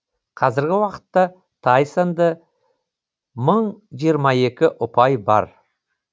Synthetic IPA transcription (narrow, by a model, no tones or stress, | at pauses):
qʰɑzɪɾɡʲɪwɑqə̥t̪ːɑ | t̪ʰɑjsənd̪ə | məɴʒijəɾmɑe̞kʲɪʔʊpɑjbɑ̰ɾ